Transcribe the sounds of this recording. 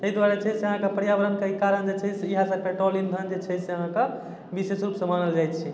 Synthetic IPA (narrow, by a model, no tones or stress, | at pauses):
t̪əid̪waɾet͡ʃʰɛseəɦãkepəɾjabəɾənkeikaɾənd͡ʒet͡ʃʰɛseiɦãsəpeʈɾolind̪ʱənd͡ʒet͡ʃʰɛseəɦãke | bisesɾupsə̃manəld͡ʒajt̪t͡ʃʰi